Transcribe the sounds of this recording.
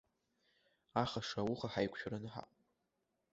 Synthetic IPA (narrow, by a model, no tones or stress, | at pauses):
aχaʂawʊχaħajkʷʰʼʃᶣɾanɨħa̰qʼ